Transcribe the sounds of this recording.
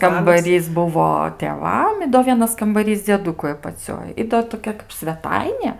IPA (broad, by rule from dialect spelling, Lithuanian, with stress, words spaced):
kɐmbɐˈrʲiːs ˈbʊʋoː tʲeːˈʋɐm ɪ doː ˈʋʲiɛnɐs kɐmbɐˈrʲiːs d͡zʲiɛˈdʊkʊɪ ɐpɐˈt͡sʲoːj ˈɪ doː toːˈkʲɛ kɐp sʲʋʲɛˈtɐɪnʲeː